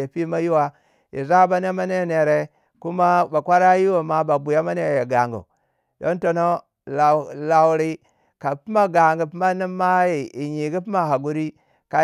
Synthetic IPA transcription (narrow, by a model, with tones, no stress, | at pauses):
e˨pi˦ma˦ju˦wa˦ | ḭ˨za˦ba˦ne˦ma˦ne˦˨ne˨ɾe˨ | ku˦ma˦ba˨kʷa˦ɾa˦ji˦wo˨ma˦ba˨bu˨ja˦ma˦ne˨je˨ɡa˨ŋɡṵ˨ | do˦nto˨no˦ | la˨la˨wu˨ɾi˦ | ka˨pi˦ma˦ɡa˨ŋɡu˨pi˦ma˦ni˦mːa˦i˨i˨ɲi˨ɡi˦pi˦ma˦ɦa˨ɡu˦ɾi˦ | ka˨